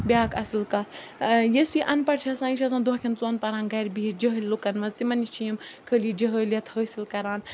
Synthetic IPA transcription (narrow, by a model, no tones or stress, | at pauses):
bʲjaːkɐsilkɐ | jesiʔɐnpɐɽt͡ʃʰɐsãːiʃʰʲɐsãːnd̪oɦkʰʲint͡soːnpɐɾaːnɡɐɾʲbiɦid͡ʒəɦəlʲlukɐnmɐzt̪imɐnit͡ʃʰijimkʰəlid͡ʒəɦəljɐt̪ʰhəːsilkɐɾaːn